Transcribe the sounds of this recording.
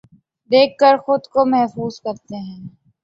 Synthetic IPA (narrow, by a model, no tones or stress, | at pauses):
d̪eːkʰːəɾxʊd̪komɛɦfuːzkɐɾt̪eɦɛ̃ː